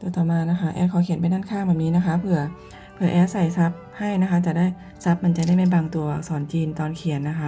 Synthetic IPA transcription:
t̪u˧t̪ɔː˨˩maː˧na˦˥kʰa˦˥ʔɛ̰ː˧˥kʰɔː˨˦kʰi˩˦ə˦np̬a˧jnaː˥˩nkʰaː˥˩ŋbɛː˨˩niː˦˥na˦˥kʰa˦˥pʰɯ˧˩ɐ | pʰɯ˧˩ɐʔɛː˨˦˥sa˨˩jsa˦˥p̚ha˥˩jna˦˥kʰa˦˥t͡ɕa˨˩daː˥˩j | sa˦˥p̚ma˧˩nt͡ɕa˨˩da˥˩jma˥˩baː˧ŋt̪u˧ɐ˧˩sɔː˩˦nt͡ɕiː˧nt̪ɔː˧nkʰi˨˩˦ənːa˦˥kʰa˦˥

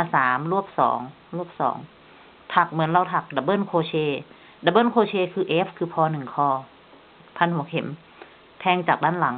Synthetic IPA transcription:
a˧saː˨˩˦mlu˧˥˩əp̚sɔ̰ː˩˦ŋ | lu˧˥˩əp̚sɔ̰ː˩˦ŋ | t̪ʰa˨˧˩k̚mɯ˨˩˦ənla˧˩wt̪ʰa˧˩k̚da˧˩bɤː˧˥˨nkʰoː˧˩t͡ɕʰeː˧˩ | da˧˦bɤː˥˨nkʰoː˧t͡ɕʰeː˧˨kʰɯː˧ʔeː˦˥pʰkʰɯː˧˩pʰɔː˧nɯ˨˩ŋkʰɔː˧˩ | pʰa˧˨nhu˨˩˦ɐkʰe˨˩˦m | pʰɛː˧˨ŋt͡ɕaː˨˩k̚daː˧˥˨nla˩˦ŋ

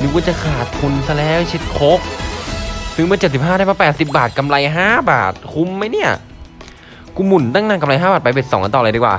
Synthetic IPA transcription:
nɯ˧˩ku˧˩t͡ɕa˧˩kʰaː˨˩t̪̚pʰu˧nsa˧lɛː˦˥˩wt͡ɕʰe˦˥t̪̚kʰo˦˥k̚ | sɯ˧˩ŋmɯ˥˩ɐt͡ɕːt̪̚si˨˩p̚ɦaː˥˩ɾaː˥˩jmaː˧˩pɛː˨˩t̪̚si˨˩p̚baː˨˩t̪̚ka˧mla˧jɦaː˥˩ba̰ː˨˩t̪̚kʰu˧˥mːa˦˧˥jni˦˥˩ɐ | kuː˧mu˨˩nt̪a˧˥˩ŋnaː˧˩ŋka˧mla˧jɦaː˥˩baː˨˩pa˧jp̬e˨˩t̪̚sɔː˩˦ŋka˧nt̪ɔː˨ljdiː˧˩kwaː˨˩

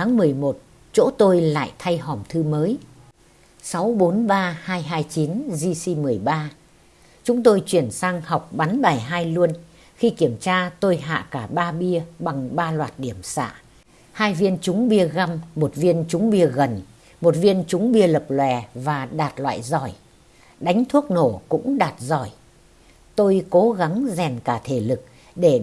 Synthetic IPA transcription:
aː˨˦ŋmɨ˨˩əjmo˨˩t̚ | t͡ɕo̰˧˥t̪o˧jla̰ː˧˨jt̪ʰa˧jɦɔ˨˩mt̪ʰɨ˧məː˨˦j | sa˨˦wɓo˨˦nɓaː˧haː˧jɦaː˧jt͡ɕi˨˦nzi˧si˧mɨ˨˩əjɓaː˧ | t͡ɕʊ˨˦ŋ͡mt̪o˧jt͡ɕwi˧˩ənsaː˧ŋha˨˩wk͡p̚ɓa˨˦nɓaː˨˩jɦaː˧jlu˧ən | xi˧ki˧˩əmt͡ɕaː˧t̪o˧jɦa̰ː˧˨kaː˧˩ɓaː˧ɓi˧əɓa˨˩ŋɓaː˧lwaː˨˩t̚ɗi˧˩əmsa̰ː˧˨ | haː˧jvi˧ənt͡ɕʊ˨˦ŋ͡mɓi˧əɣa˧mːo˨˩t̚vi˧ənt͡ɕʊ˨˦ŋ͡mɓi˧əɣə˨˩n | mo˨˩t̚vi˧ənt͡ɕʊ˨˦ŋ͡mɓi˧ələ˨˩p̚lwɛ̰˧˨˩vaː˨˩ɗaː˨˩t̚lwa̰ː˧˨jzɔ˧˩j | ɗa˨˦jŋ̟t̪ʰu˦˥ək̚no˧˩kʊ̰˧˥ŋ͡mɗaː˨˩t̚zɔ˧˩j | t̪o˧jko˨˦ɣa˨˦ŋzɛ˨˩nkaː˧˩t̪ʰe˧˩lɨ˨˩k̚ | ɗe˧˩

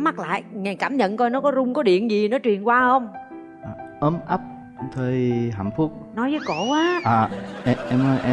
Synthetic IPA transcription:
ma˦˥t̚la̰ː˧˨jŋaː˨˩jkaː˧˩mɲə̰˧˨nt̪ɔ˧jnɔ˨˦kɔ˨˦zʊ˧wŋ͡mkɔ˨˦ɗḭ˧˨ənzi˨˩nɔ˨˦t͡ɕwi˨˩ənkwaː˧hə˧wŋ͡m | ʔaː˨˩ʔəː˨˦mʔə˦˥p̚ | t̪ʰəː˧jɦa̰˧˨mfu˦˥ək̚nɔ˨˦jzəː˨˦jko̰˧˩˥ʔaː˨˦ʔaː˨˩ʔɛ˧ʔɛ˧mnɔ˨˦jʔɛ˧

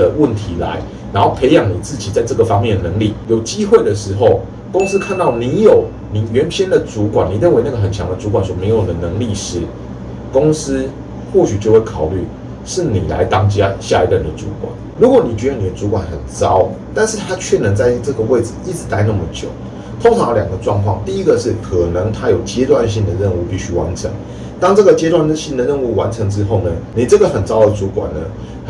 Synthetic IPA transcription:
ə˨wə˥˨nt̪ʰi˧˥la̰˧˦ɪ | na˧˥nxo˥˩ʊpʰe˧˥ɪjɑ˨˩˦ŋni˨˩t͡sɹ̩˥˩t͡ɕi˨˩t͡sa˥˧ɪʈ͡ʂə˥˩ɡə˩fɑ˥ŋmjɛ˥˩nd̪ə˨˩nə˧˦ŋli˥˩jo˨˩ʊt͡ɕi˦˥xwe˥˩ɪd̪ə˩ʂɻ̩˧˥xo˥˨ʊ | ko˦˥ŋs̩˦kʰa˥˧nt̪ɑ˥˩ʊni˧˦jo˨˩ʊ | ni˨˩˦ɥɛ˨˦˥nɕʰjɛ˥nd̪ə˨t͡su˨˥kwa˨˩nːi˨˩ɻə˥˨nwe˧ɪna˥˩ɡə˩ɦə˨˩nt͡ɕʰjɑ˧˦ŋd̪ə˨t͡su˧˥kwa˨˩nswɔ˨˩me˧˥ɪjo˨˩d̪ə˩nə˧˦ŋli˥˧ʂɻ̩˥˩ | ko˥ŋs̩˦ | xwɔ˥˩ɕy˨˩t͡ɕjo˥˧ʊwe˥˩kʰɑ˨˩ʊly˥˩ | ʂɻ̩˥˩ni˨˩la̰˧˦ɪt̪ɑ˦ŋt͡ɕja˦ɕja̰˥˧i˧˥tə˥˩nd̪ə˩t͡su˨˧˥kwa̰˨˩˦n | ɻu˧˥kwɔ˨˩˦ni˨˩t͡ɕɥɛ˧˥˧ni˨˩d̪ə˦˧t͡su˧˥kwa˨˩nxə˨˩nt͡sɑ˦˥ʊt̪a˥˧nʂɻ̩˥˩t̪ʰa˥t͡ɕʰɥɛ˥˩nə˧˥ŋt͡sa˥˧ɪ˥˧t͡sɤ˥˩ɡə˨we˥˩ɪd͡z̩˨˩i˥˩t͡sɻ̩˨˩t̪a˥˧ɪ˧na˥˩mə˨˩t͡ɕjo̰˨˩˦ʊ | t̪ʰo˥ŋʈ͡ʂʰɑ˧˥ŋjljɑ˨˩ɡə˦ʈ͡ʂwɑ˥˧ŋkʰwɑ̰˥˨ŋt̪i˥˩i˥ɡə˨ʂɻ̩˥˩kʰɤ˨˩nə˧˥ŋt̪ʰa˥jo˨˩ʊt͡ɕjɛ˥t̪wa˥˧nɕ̬i˥˧ŋd̪ə˩ɻə˥˧nu˥˧pi˥˧ɕy˥wa̰˧˦nʈ͡ʂʰə̰˧˥ŋ | t̪ɑ˥ŋt͡sɤ˥˩ɡə˨˩t͡ɕjɛ˥t̪wa˥˧nɕi˥˩nd̪ə˨ɻə˥˧nu˥˩wa˧˦nʈ͡ʂʰə˧˥ŋʈ͡ʂɻ̩˥xo˥˩ʊnə˩ni˨˩ʈ͡ʂə˥˩ɡə˨˩xə˨˩nt͡sɑ˥ʊd̪ə˨t͡su˧˥kwa̰˨˩nnə̰˦

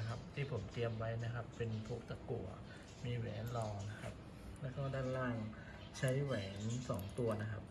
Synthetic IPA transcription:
kʰa˦˥p̚t̪ʰiː˥˩pʰo˩˦mt̪i˧əmwa˦˥jna˦˥kʰa˦˥pːe˧npʰu˦˥˩k̚t̪a˧kṵ˨˩ɐ | miː˧wɛ̰ː˩˦nlɔː˧ŋna˦˥kʰa̰˦˥p̚ | lɛː˦˥kɔː˥˩daː˥˩jla˥˩ŋ | t͡ɕʰa˦˥jwɛː˩˦nsɔː˩˦ŋt̪u˧ɐna˦˥kʰa˦˥p̚

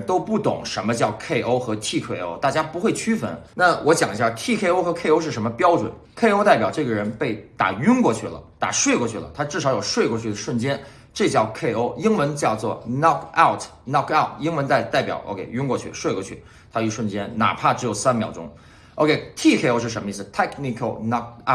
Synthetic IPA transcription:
t̪o˥ʊpu˥˩t̪ʊ̰˨˩˦ŋʂə˧˥nmə˧t͡ɕjɑ˥˧ʊkʰe˥˩ɪʔo˥ʊxɤ˧˥t̪ʰi˥˩kʰe˥˩ɪo˥ʊt̪a˥˩t͡ɕja˥pu˧˥xwe˥˩ɪt͡ɕʰy˥fə̰˧˥nna˥˩wʔɔ˧˥t͡ɕjɑ˨˩ŋi˧˥ɕja˥˧t̪ʰi˥˩kʰe˥ɪo˥ʊxɤ˧˥kʰe˥˧ɪo˥ʊʂ̬ɻ̩˥˩ʂ̬mə˧pjɑ˥ʊʈ͡ʂwə̰˨˩˦n | kʰe˥˧ɪo˥ʊt̪a˥˩ɪpʲjɑ˨˩ʊʈ͡ʂɤ˥˩ɡə˩ɻə˧˥npe˥˩ɪt̪a̰˨˩y˥nkwɔ˥˧t͡ɕʰy˥˩lə̰˩t̪a̰˨˩ʂwe˥˧ɪkwɔ˥˧t͡ɕʰy˥˩lə̰˩t̪ʰa˥ʈ͡ʂɻ̩˥˩ʂɑ˧˥ʊjo˨˩ʊʂwe˥˧ɪkwɔ˥˧t͡ɕʰy˥˩d̪ə˩ʂwə˥˩nt͡ɕjɛ˥n | ʈ͡ʂɤ˥˧t͡ɕjɑ˥˩ʊkʰe˥˩ɪo˥ʊi˥ŋwə˧˥nt͡ɕjɑ˥˧ʊt͡swɔ˥˩nɑ˥˧kʰa˥˩ʊtʰnɑ˥˩ka˥˩ʊti˥ŋwə˧˥nt̪a˥˩ɪt̪a˥˩ɪpjɑ̰˨˩˦ʊʔo̰˧˥ʊkʰḛ˥ɪy˥nkwɔ˥˧t͡ɕʰy̰˥˩ʂwe˥˧ɪkwɔ˥˧t͡ɕʰy˥˩ | t̪ʰa˥y˧˩ʂwə˥˩nt͡ɕjɛ˥nna̰˨˩pʰa˥˩ʈ͡ʂɻ̩˧˥jo˨˩ʊsa˥nmjɑ˨˩ʊʈ͡ʂʊ˥ŋ | o˧˥˧kʰe˥ɪt̪ʰi˥˩kʰe˥˩o˧˥ʊʂɻ̩˥˩ʂə˧˥mə˧i˥˩s̩˩t̪ʰɛ˥kni˧˩kʰo˧˩ʊnɑ˥k̚

